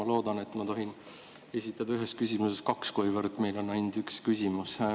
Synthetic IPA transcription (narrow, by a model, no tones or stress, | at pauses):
ɑlo̞ːd̪̥ɑne̞t̪ːˑmɑt̪o̞ɦin | e̞sʲit̪ːˑɑd̪ɑyɦe̞st̪kysʲimuse̞st̪kɑkskojvɤɾt̪ːˑme̞jlo̞nːɑjnd̪̥ykskysʲimus